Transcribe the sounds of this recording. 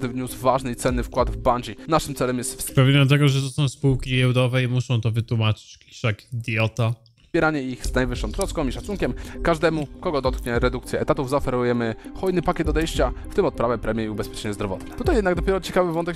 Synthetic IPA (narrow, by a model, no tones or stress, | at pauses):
d̪ɘvɲuzvaʐnɘit̪sɛnːɘfkwad̪vbaɲd͡ʑinaʂɘmt̪sɛlɛmjɛst̪fspɾavʲjeɲat̪ɛɡɔʐɛt̪ɔsɔ̃w̃spuwkʲijɛwd̪ɔvɛimuʂɔ̃w̃t̪ɔvɘt̪wumat͡ʂɘ̥t͡ɕkʲi̥ʂakd̪jɔt̪a | pʲjɛɾaɲɛixz̥najvɘʂːɔ̃w̃t̪ɾɔskɔ̃w̃iʂat̪suŋkʲɛmkaʐd̪ɛmukɔɡɔd̪ɔt̪kɲɛɾɛd̪ukt̪sʲjɛʔɛt̪at̪uvzaɔfɛɾujɛmɘxɔjnɘpakʲɛt̪ːɔd̪ɛjɕt͡ɕaft̪ɘmɔt̪̚pɾavɛpɾɛmʲjɛiubɛspʲɛt͡ʂɛɲɛzd̪ɾɔvɔ̰t̪nɛt̪ut̪ajɛd̪naɡd̪ɔpʲɛɾɔt͡ɕɛkavɘvɔnt̪ɛk